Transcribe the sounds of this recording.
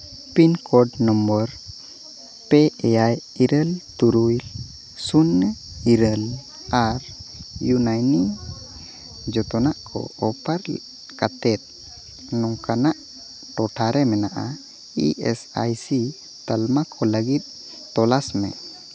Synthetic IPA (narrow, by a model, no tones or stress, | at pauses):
pinkɔɖnɔmbəɾ | pɛɛjajiɾəlt̪uɾujl | sunː | iɾəl | aɾjunajni | d͡ʒɔt̪ɔnaʔkʰɔ̰ɔpaɾ | kat̪ɛt̪̚ | nɔŋkanaʔ | ʈɔʈʰaɾɛmɛnaʔa̰ | ḭʔɛsa̰jsi | t̪almakʰɔləɡit̪̚ | t̪ɔlasmɛ̰